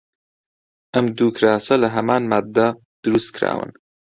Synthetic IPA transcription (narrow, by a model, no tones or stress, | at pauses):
ʔɐmd̪uːkʰɾaːsɐlɐɦɐmaːnmaːd̪ːɐ | d̪̥ɨɾust̪̚kʰɾa̰ːwɨ̰n